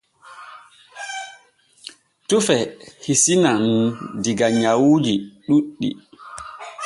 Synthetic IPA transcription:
tufɛhisinandiɡaɲawud͡ʒiɗuɗːḭ

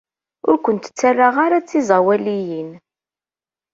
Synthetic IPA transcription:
ʊ̰ɾkʷənt̪ə̥t͡sːarːaʁaɾat͡sːizˤɑwælijin

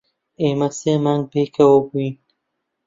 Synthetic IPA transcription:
eːmɐseːmaːŋɡ̚beːkʰɐwobuin

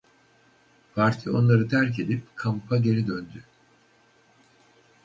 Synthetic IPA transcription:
pʰaɾt̪ʰio̞̰nlˠaɾɯt̪ʰæɾc̬e̞d̪ip̚kʰampʰaɟe̞ɾid̪ønd̪y

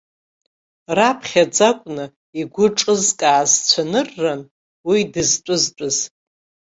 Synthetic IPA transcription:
rapʰχʲad͡zakʷʼnɨ | iɡʷʊʈ͡ʂʼɨzkʼaːzt͡sʷʰanɨrːan | widɨzt͡pʷʼʊzt͡pʷʼʊz̥

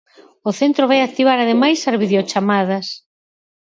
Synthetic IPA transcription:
ʊθent̪ɾoβajak̚t̪iβ̞aɾaðemajsazβiðeot͡ʃamaðɐs

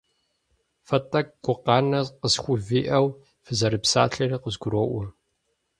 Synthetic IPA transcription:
fɐtʼɐk̚ɡʷʊqɑːnɐqəsxʷʊviːʔɐw | fɨzɐɾɨpsa̰ːɬɐriqəzɡʷʊɾoːʔʷʊ

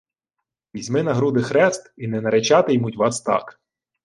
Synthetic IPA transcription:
ʋʲizʲmɪnɐɦɾud̪ɪxɾɛst̪inɛnɐɾet͡ʃɑt̪ɪjmutʲʋɑst̪ɑ̰k

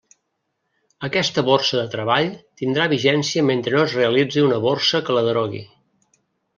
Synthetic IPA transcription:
əkɛst̪əβorsəðət̪ɾəβaʎt̪ind̪ɾaβiʒɛnsiəment̪ɾənoəzreəlid͡ziunəβorsəkələðɾoɣḭ

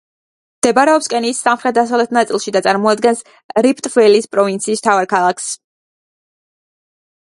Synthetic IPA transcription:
md̪̥ɛbaɾɛɔpskʼɛniːsːamχɾɛt̪̚d̪asavlɛt̪ʰnat̪sʼilˠʃid̪at̪sʼaɾmɔad̪ɡɛns | ɾipʰt̪ʼvɛlispʼɾɔvint̪sʰiːst̪ʰavaɾkʰalˠakʰs

